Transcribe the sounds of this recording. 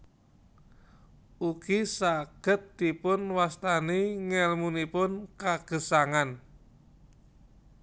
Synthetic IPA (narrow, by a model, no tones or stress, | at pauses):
uɡ̥isaɡ̥ə̤t̪ːipʊnwast̪aniŋɛlmunipʊnkaɡ̥ə̤saŋan